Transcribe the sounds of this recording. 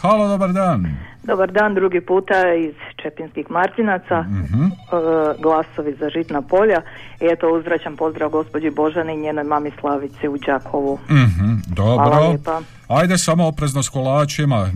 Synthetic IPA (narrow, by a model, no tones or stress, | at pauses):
xalˠod̪obaɾd̪aːnd̪o̞baɾd̪aːnd̪ɾuɡipuːt̪aeiz̥t͡ʃepinskixmaɾt̪inat̪sam̩ɦ̩ | ɡlˠasoʋizaʒit̪napo̞ʎaiet̪ouzɾat͡ɕampo̞zd̪ɾaʋɡo̞spod͡ʑibo̞ʒaniiɲeːno̞jmamislˠaʋit̪siud͡ʑakʰoʋuɦ̩d̪oɾoa | ajd̪esamoːpɾeznoskolaːt͡ʃima